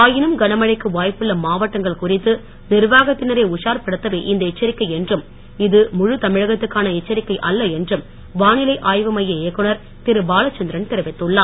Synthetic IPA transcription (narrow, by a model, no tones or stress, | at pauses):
aːjɪnɯmɡɐnɐmɐɻɐɪkːɯʋaːjpːɯɭːɐmaːʋɐʈːɐŋɡɐɭkʊrɪt̪ːɯ | nɪɾʋaːɣɐt̪ːɪnɐɾeʊʂaːɾpɐɽɯt̪ːɐʋeːʔɪnd̪ɐɪt͡ʃːɐɾɪkːɐɪɛndrɯm | ɪðɯmʊɻɯt̪ɐmɪɻɐɣɐt̪ːɯkːaːnɐɪt͡ʃːɐɾɪkːɐɪʔɐlːɐɛndrɯm | ʋaːnɪlɐɪʔaːjʋɐmɐjːɐeːkːɯɳɐɾ | t̪ɪɾɯbaːlɐt͡ʃːɐnd̪ɪɾɐnt̪ɪɾɐʋɪt̪ːɯɭːaː